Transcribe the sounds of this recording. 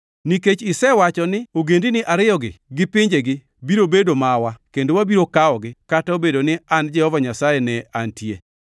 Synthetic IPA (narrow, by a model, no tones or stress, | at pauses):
niket͡ʃɪsɛwat͡ʃɔnɪoɡendinɪʔaɾɪjɔɡɪ̰ɡɪpɪɲd͡ʒeɡɪ | biɾobedomawakendowabiɾokaɔɡɪkataobedonɪand͡ʒɛhɔvaɲasajɛnɛantje